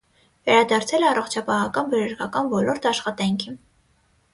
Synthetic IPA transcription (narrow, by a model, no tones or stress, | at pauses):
vɛɾɑd̪ɑɾt͡sʰɛlɛɑrɔχt͡ʃʰɑpɑɦɑkɑnbəɾəɾkɑkɑnvɔlɔɾt̪ʰɑʃχɑt̪ɑŋkʰin